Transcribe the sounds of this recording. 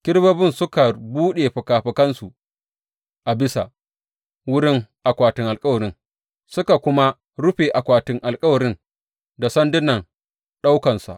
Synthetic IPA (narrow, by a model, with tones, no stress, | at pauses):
kʲɪ˦ɽbɐ˦bɪ˦nsʊ˦ka˨buː˦ɗeː˨ɸɐ˨kaː˨ɸɐ˨kɐ˦nsu˨ | ʔa˨bɪ˦sa̰˨ | wʊ˦ɾɪ˦ŋʔa˨kʷaː˨tɪ˨ŋʔa˨lkʼɐ˦wɐ˨ɾɪ˦ŋ | sʊ˦ka˨kʷʊ˦ma˦ | ɽʊ˦ɸeː˨ʔa˨kʷaː˨tɪ˦ŋʔa˨lkʼɐ˦wɐ˨ɾɪ˦n | da˨sɐ˦ndɪ˦nɐ˨ŋ | ɗa˦wkɐ˨nsa̰˨ʔ